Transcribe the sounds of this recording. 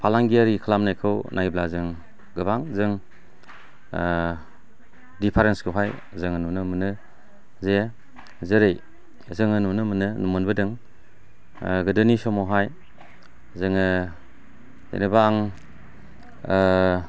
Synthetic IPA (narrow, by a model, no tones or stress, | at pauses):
pʰalaŋɡiaɾikʰəlamnajkʰɯwnʔajblazɯŋ | ɡɯbaŋzɯŋ | dipʰaɾensɡʰɯwɦaj | zɯŋanunɯmɯnɯ | ze | zɯɾej | zɯŋɯnunɯmɯnɯnumɯnbɯdɯŋ | ɡɯdɯnisɔmɔɦaj | zɯŋɯ | ḛnebaːŋ